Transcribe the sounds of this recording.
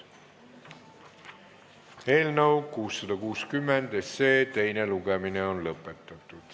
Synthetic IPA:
e̞ːlnɤwkuːsːɑd̪̥ɑkuːskymːend̪̥ese̞ːt̪e̞jne̞luɡemineo̞nlɤpːˑe̞t̪ːˑɑt̪ːˑud̪̥

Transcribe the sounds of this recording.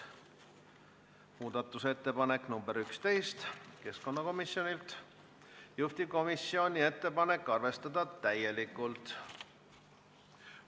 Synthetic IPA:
muːd̪̥ɑt̪ːˑuse̞t̪ːe̞pɑnekˑnumbe̞ɾykst̪e̞jst̪ke̞sko̞nːɑko̞misjo̞nilt̪ | juht̪ib̥̚ko̞misːio̞nʲie̞t̪ːe̞pɑne̞kˑːɑrve̞st̪ɑd̪̥ɑt̪æje̞likːˑult̪

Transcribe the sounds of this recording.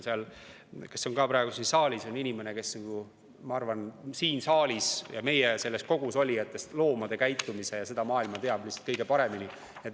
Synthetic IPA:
seɑl | ke̞sːo̞ŋkɑpɾɑe̞ɡusinsɑːlʲiso̞ninʲime̞ne̞ke̞snɑɡ̥u | mɑɑrvɑnsiːnsɑːlʲisjɑme̞jese̞lːe̞sko̞ɡ̥uso̞lʲiet̪ːˑest̪lo̞ːmɑd̪̥e̞kæjt̪ːumise̞jɑse̞d̪̥ɑmɑːilmɑt̪e̞ɑb̥lisːɑ̥t̪̚kɤjɡ̥e̞pɑɾe̞mini | et̪

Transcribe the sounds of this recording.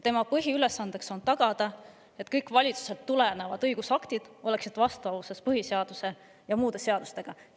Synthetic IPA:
t̪e̞mɑpɤɦiyle̞sːɑnd̪e̞kso̞nt̪ɑɡ̥ɑd̪̥ɑ | e̞t̪ːˑkɤjkːˑvɑlʲit̪su̥se̞lt̪ːulenevɑd̪ɤjɡ̥usɑkt̪id̪̥o̞le̞ksit̪ˑvɑst̪uɑuse̞spɤɦiseɑd̪̥use̞ | jɑmuːd̪̥e̞se̞ɑd̪̥ust̪e̞ɡ̥ɑ

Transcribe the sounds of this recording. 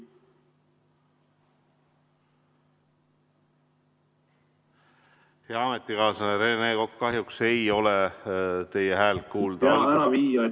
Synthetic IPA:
heɑɑmet̪ːˑikɑːsɑneɾeːneːko̞kːɑɦjukse̞jo̞let̪e̞jeɦæːlt̪̚kuːld̪̥æɾɑviːjɑ

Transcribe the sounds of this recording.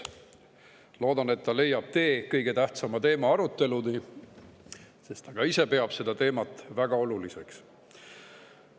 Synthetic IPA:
lo̞ːd̪̥ɑne̞t̪ːɑle̞jːɑb̥̚t̪e̞ːkɤjɡ̥e̞t̪æht̪sɑmɑt̪e̞ːmɑɑɾut̪ːˑe̞luni | se̞st̪ɑɡ̥ɑise̞pe̞ɑb̥se̞d̪ɑt̪e̞ːmɑt̪ːˑvæɡ̥ɑo̞lulise̞ks

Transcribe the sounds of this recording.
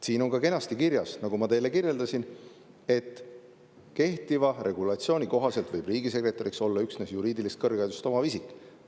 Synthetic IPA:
siːno̞ŋkɑke̞nɑst̪ikiɾjɑsnɑɡumɑt̪e̞jle̞kirje̞ld̪̥ɑsin | e̞t̪ːˑ | ke̞ht̪ivɑre̞ɡ̥ulɑt̪sio̞ːnʲiko̞ɦɑse̞lt̪vɤjb̥riːɡise̞kre̞t̪ːˑɑɾikso̞lːɑyksne̞sjuɾiːd̪ilist̪̚kɤrɡɑjd̪ust̪o̞mɑvisikːˑ

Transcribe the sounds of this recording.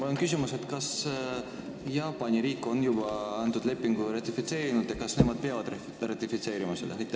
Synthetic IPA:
olnkys̬ʲimuse̞t̪kɑs | jɑːpːɑnʲiɾiːkːˑo̞njubɑɑnt̪ud̪le̞pːˑiŋɡ̥urɑt̪ʲːˑifit̪se̞ːɾinud̪̥jɑkɑsne̞mɑd̪̥̚pe̞ɑvɑd̪̥ | rɑt̪ʲːifit̪se̞ːɾimɑsed̪̥ɑ̰ɦɑjt̪ːˑ

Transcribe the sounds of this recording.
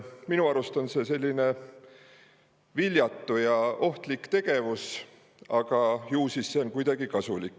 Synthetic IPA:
minuɑɾust̪o̞nse̞se̞lʲːine̞ | vilʲjɑt̪ˑːujɑo̞ht̪likt̪e̞ɡ̥e̞vus | ɑɡ̥ɑjuːsisːeonkujd̪̥ɑɡ̥ikɑsulikːˑ

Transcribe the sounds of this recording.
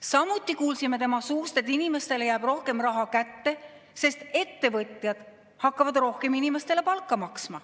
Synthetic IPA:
sɑmut̪ʲːˑikuːlsime̞t̪e̞mɑsuːst̪e̞t̪ːˑinime̞st̪e̞ljæːb̥ro̞hke̞mrɑɦɑkæt̪ːe̞ | se̞st̪e̞t̪ːe̞vɤt̪ʲˑjɑd̪̥ | hɑkːɑvɑd̪ro̞hke̞minime̞st̪e̞le̞pɑlkːˑɑmɑksmɑ

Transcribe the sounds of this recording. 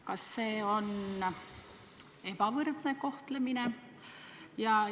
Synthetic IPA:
kɑsːe̞ːo̞n | e̞bɑvɤrd̪̥ne̞ko̞ht̪lemine̞ | jɑ

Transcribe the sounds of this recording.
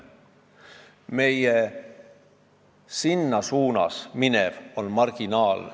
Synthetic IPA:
me̞je | sinːɑsuːnɑ̰sminevo̞nmɑrɡ̥inɑːl

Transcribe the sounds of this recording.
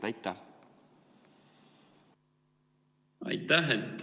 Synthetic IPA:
t̪ɑjt̪ːæh | ɑ̰jt̪ːæɦet̪ː

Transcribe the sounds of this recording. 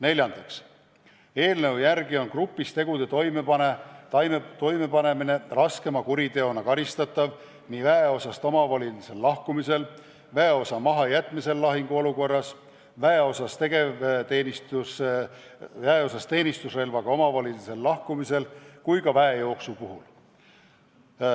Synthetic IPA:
ne̞lʲjɑnd̪̥ɑks | e̞ːlne̞wjæɾɡio̞nkrupːˑist̪e̞ɡ̥ud̪̥e̞t̪o̞jmepɑnet̪ɑjet̪o̞jmepɑne̞mine̞rɑske̞mɑkuɾid̪e̞o̞nɑkɑɾist̪ɑt̪ːˑɑv | nivæeo̞sɑst̪o̞mɑvɑlilise̞lːɑhkumise̞l | væeo̞sɑmɑɦɑjæt̪ːˑmise̞lːɑɦiŋɡ̥uo̞luko̞rːɑs | væeo̞sɑst̪e̞ɡe̞t̪eːnist̪us | væeosɑst̪ːe̞ːnist̪usre̞lvɑɡ̥ɑo̞mɑvɑlʲilise̞lːɑhkumise̞lkujkɑvæejo̞ːksupuɦul

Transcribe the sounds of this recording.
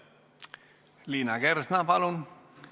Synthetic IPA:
liːnaɡɛɾsnapalon

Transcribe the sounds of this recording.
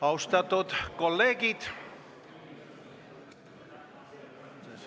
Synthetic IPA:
ɑust̪ɑt̪ot̪kolːeːɡit̪

